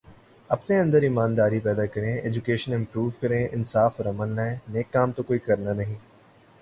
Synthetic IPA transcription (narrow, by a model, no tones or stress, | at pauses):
ɐpneɐ̃nd̪əɾimaːnd̪aːɾipɛːd̪akɐɾẽeːd͡ʒʊkeːʃənɪ̃mpɾuːʋkɐɾẽːʔɪnsaːfɾɐmənlaːẽneːkːaːmt̪okoːikɐɾnanɐɦĩː